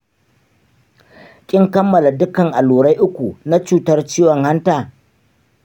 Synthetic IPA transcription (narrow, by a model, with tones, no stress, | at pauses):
kʲʼɪ˦ŋkɐ˦mːɐ˨la˨dʊ˦kɐ˨ŋʔa˨luː˨ɽa˦jʔʊ˦kʷu˨na˦t͡ʃuː˦tɐ˦rt͡ʃiː˦wɔ˨ŋha˦ntaː˦˨